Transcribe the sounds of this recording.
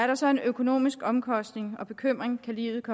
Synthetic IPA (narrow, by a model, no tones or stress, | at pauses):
æɐɾ̥ɑ̈sɒ̽e̝nøkʰo̝no̝̰ːmisɡ̥ɒ̽mkʰɒ̽sd̥ne̝ŋɒ̽b̥e̝kʰøm̰ʁeŋkʰælḭːʊð̩ˠkʰɒ̽